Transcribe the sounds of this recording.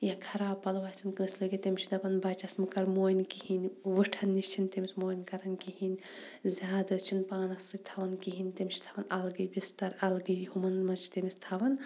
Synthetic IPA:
jɐkʰɐɾaːbpːɐlʋaːsɐnkɨmislɨɡit̪emʲt͡ʃʰid̪ɐpɐnbɐt͡ʃɐsmɨkɐɾmoːjnʲkihinʲʋɨʈʰɐnːiʃt͡ʃʰint̪emismoːjnʲkɐɾɐnkihinʲzʲjaːd̪ɐt͡ʃʰinpaːnɐsɨt̪ʰɐʋɐnkiɦinʲt̪emʲʃʰi̥t̪ʰɐʋɐnɐlɡɨjbist̪ɐɾɐlɡɨjhumɐnmɐt͡ʃʰt̪emist̪ʰɐʋɐn

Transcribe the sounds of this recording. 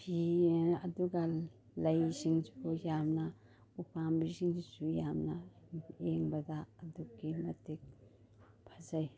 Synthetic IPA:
pʰiɐduɡa | lɐjsiŋsubujamnɐ | upʰambisiŋd͡ʒisujamnɐeŋbɐdɐːdukːimɐtik̚ | pʰazaj

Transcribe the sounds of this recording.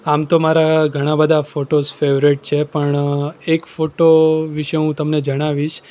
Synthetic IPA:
amt̪omaɾaɡʱəɽ̃ãbəd̪ʱafoʈosfeʋɾiʈ̚t͡ʃʰepəɳekfoʈoʋiʃəũt̪əmned͡ʒəɽ̃aʋiʃ

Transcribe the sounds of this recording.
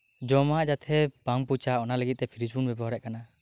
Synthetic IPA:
d͡ʒɔmaʔd͡ʒat̪ʰɛpaŋput͡ʃaɔnaləɡit̪̚t̪ɛpʰiɾid͡ʒbunbɛbɔɦɔɾɛʔkana

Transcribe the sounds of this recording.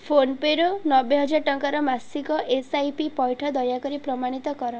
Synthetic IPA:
pʰonpeɾonɔbeɦɔd͡ʒaɾʈɔŋkaɾɔmasikɔʔesajpipɔjʈʰɔd̪ɔjakɔɾipɾɔmaɽ̃it̪ɔkɔɾɔ

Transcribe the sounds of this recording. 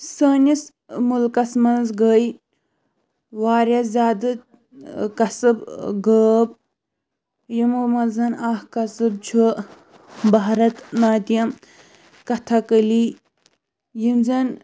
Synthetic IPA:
səːnis | mulkɐsmɐnzɡəj | waːɾʲɐszʲaːd̪ɨ | kɐsɨbɡəːb̚ | jimumɐzɐnaːhkɐsɨb̚t͡ʃʰu | baɦɾɐt̪naːt̪ijɐm | kɐt̪ʰɐkəli | jimzɐn

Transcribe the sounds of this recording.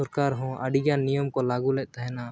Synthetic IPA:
ɔɾkaɾɦɔ̃ʔəɖiɡjanijɔmkɔlaɡulɛʔ̚ˀt̪aɦɛ̃na

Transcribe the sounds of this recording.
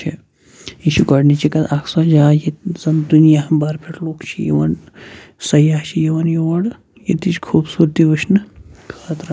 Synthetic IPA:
t͡ʃʰi | iʃuɡɐɽnit͡ʃʰikɐt̪akʰsɐd͡ʒaːjezɐnd̪unijabɐɾpʰeʈloːkt͡ʃʰijḛʋɐnsɐjaːt͡ʃʰijeʋɐnjeʋɐɽ | jet̪it͡ʃʰkʰuːbsuɾt̪iʋəʃnɨkʰɐt̪ɾɐ

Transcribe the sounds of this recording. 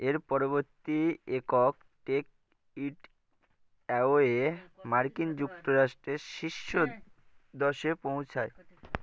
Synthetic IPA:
eɾpɔɾoβoɾt̪iekok̚ | ʈek̚ | iʈ | ɛoemaɾkind͡ʑukt̪oɾaʃʈɾeʃiʃːo | d̪ɔʃepow̃t͡ɕʰae

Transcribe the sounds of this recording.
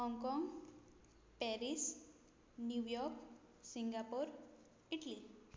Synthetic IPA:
ɦɔŋkɔŋɡ | pɛɾis | njujɔɾk | siŋɡapuɾ | iʈli

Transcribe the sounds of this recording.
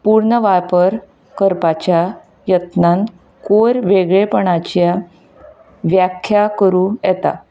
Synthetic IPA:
puɾɳəʋapəɾ | kəɾpat͡ɕja | jət̪nan | koɾʋeɡɭepəɳat͡ɕja | ʋjakʰjakəɾujɛt̪a̰

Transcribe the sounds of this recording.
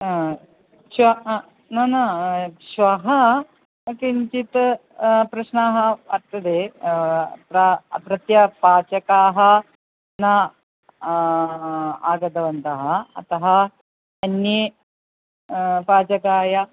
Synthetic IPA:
ʃʋɐ | nɐnɐʃʋɐɦɐ | kiɲt͡ʃit̪ | pɾɐʃnaːɦɐɐɾt̪ːɐd̪eː | pɾɐpɾɐt̪jɐpaːt͡ʃɐkaːɦɐ̆ | nɐ | aːɡɐd̪ɐʋɐnt̪ɐɦɐɐ̰t̪ɐɦɐ | ɐnːji | paːt͡ʃɐkaːjɐ

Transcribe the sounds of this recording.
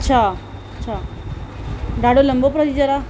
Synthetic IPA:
ətːɕʰa | tːɕʰa | ɖaɽoləmbopɾət̪id͡ʒəɾa

